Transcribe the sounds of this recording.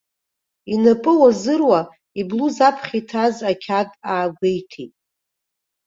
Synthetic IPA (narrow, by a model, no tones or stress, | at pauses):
inapʼɨwazɨrwa | ibluzapʰχʲitʰazakʲʰadʼaːɡʷejtʰitʼ